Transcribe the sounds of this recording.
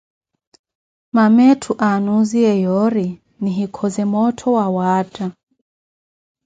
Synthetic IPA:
mamɛtʰuʔanuziɛjɔɾi | niɦikʰɔzɛmɔtʰɔwawata

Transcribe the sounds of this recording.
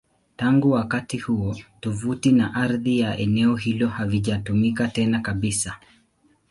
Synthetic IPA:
taŋɡuwakatihuɔtɔvutinaʔaɾðijaʔɛnɛɔɦilɔhaviʄatumikatɛnakaɓisa

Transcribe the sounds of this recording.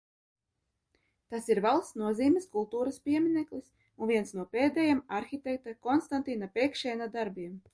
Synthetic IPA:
t̪asiɾvɛlˠsnuɔziːmʲɛskulˠt̪uːɾaspʲiɛmʲinɛklˠis | unviɛnsnuɔpeːd̪ɛjamaɾxʲit̪ʲɛk̚t̪akɔnst̪ant̪ʲinapʲɛːkʃɛːnad̪aɾbiɛm

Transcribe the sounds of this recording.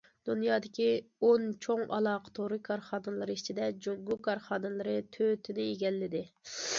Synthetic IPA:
d̪̥unjɑːd̪ɪkʲʰiont͡ʃʰoŋʔɑ̰lˠɑːqʰə̥t̪ʰoɾɨkʰɑɾχɑːnɨlˠɨɾɨit͡ʃʰid̪ɛd͡ʒoɡuʊkʰɑɾχɑːd̪ɨlˠɨɾɨt̪ʰøt̪ʰɪnɪeɡʲɛlːɪd̪ɪ

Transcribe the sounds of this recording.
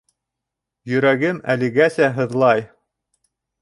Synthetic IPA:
jɵ̆ɾæɡɘmæ̰lɘ̆ɡæsæɦɤ̆ðlˠɑj

